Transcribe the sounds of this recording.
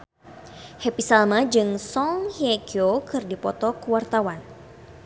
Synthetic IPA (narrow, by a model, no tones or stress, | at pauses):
hepisalmad͡ʒɨŋsɔŋhiakiokɨrdipɔt̪ɔkəwart̪awan